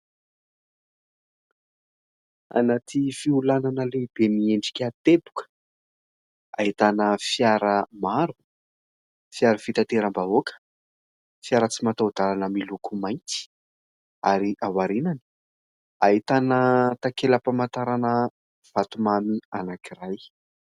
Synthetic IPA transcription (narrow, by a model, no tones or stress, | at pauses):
a̰nat̪ʰifiulananəleibemieɳɖ͡ʐi̥kʲat̪ebu̥kə̥ | a̰ɦit̪anəfjaɾəmaɾu̥ | fjaɾəfit̪at̪eɾambaokə̥ | fiaɾət͡simat̪awd̪alanəmilukumajnt̪i̥ | aɾiʔawaɾinani̥ | aɦit̪anət̪akeləpamat̪aɾanə | v̥at̪umamianakiraj